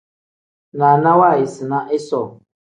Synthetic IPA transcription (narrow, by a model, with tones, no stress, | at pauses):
na˨na˦wa˦˨jɪ˨si˨na˦ʔɪ˦sɔ˦˨